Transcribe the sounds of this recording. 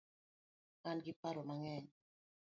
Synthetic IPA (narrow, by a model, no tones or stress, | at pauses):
ŋanɡipaɾɔmaŋɛɲ